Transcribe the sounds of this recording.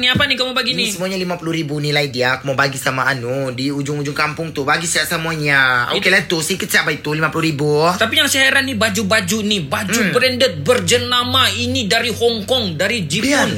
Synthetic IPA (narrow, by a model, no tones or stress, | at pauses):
niapanikəmabaɡinisəmuaɲalimapulʊhɾibunilaidiakəmabaɡisamaːnudiud͡ʒʊŋud͡ʒʊŋkampʊŋt̪ʊbaɡisaʔsamuaɲaokelait̪ʊsikɪt̪̚saʔbait̪ʊlimapulʊɾibut̪apijaŋsɛɦaɾanibad͡ʒubad͡ʒuinibad͡ʒubɾɛndət̪̚bərd͡ʒənamainidaɾihɔŋkɔŋdaɾid͡ʒiaʊn